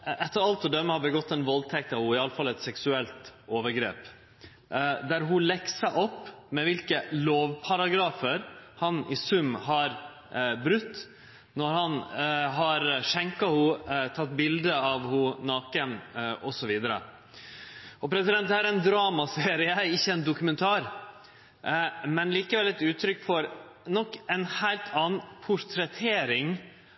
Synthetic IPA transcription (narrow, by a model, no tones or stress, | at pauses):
ɛt̪ːəɾɑlt̪ɔd̪œmːəhɑbəɡɔt̪ːɛnʋɔlt̪ʰɛk̚t̪ɑʋhʊɪɑləfɑlɛt̪sɛksʉɛlt̪oːʋəɾɡɾḛːp | d̪æɾɦʊlɛksəʔɔpːmɛʋɪlkəloːʋpʰɑɾɑɡɾɑːfəɾhɑnɪsʉmːɦɑɾ | bɾʉt̪ː | nɔɾhɑnɦɑɾʂɛŋkɑhʊt̪ʰɑt̪ːbɪld̪əɑʋhʊnɑːkənʔɔsɔʋiːd̪əɾə̰ | ɔpɾɛsɪd̪ɛnt̪d̪hæːɾænd̪ɾɑːmɑseːɾɪəəæɪçːəɛnd̪ʊkʉmɛnt̪ʰɑːɾ | mɛnliːkəʋɛlɛt̪ʉːt̪ʰɾʏkːfɔɾ | nɔkːɛnhæɪlt̪ʰɑːnn̩pʰʊɾt̪ʰɾɛt̪ʰeːɾɪŋ